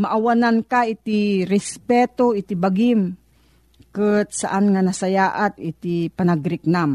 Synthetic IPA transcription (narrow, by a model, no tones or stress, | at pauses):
maʔawanankait̪iɾɛspɛt̪oit̪ibaɡim | kɨt̪̚saʔanŋanasajaʔat̪ɪt̪ipanaɡɾɪk̚nam